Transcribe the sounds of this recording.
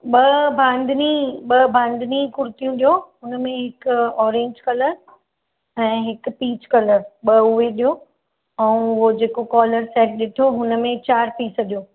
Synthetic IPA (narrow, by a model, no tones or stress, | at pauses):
ɓɐbʱãːnd̪ʱniɓɐbʱãːnd̪ʱɪnikʊɾt̪ijũɗijoɦʊnəmẽɦɪkʊɔːɾẽːɲd͡ʑkɐləɾ | ɛ̃ːɦɪkpiːt͡ɕkɐləɾɓɐʊɦeɗijo | ɛ̃ũʊɦod͡ʑeːkokɔːləɾsɛːʈ̚ɗɪʈʰoɦʊnəmẽt͡ɕaːɾpiːsəɗijoː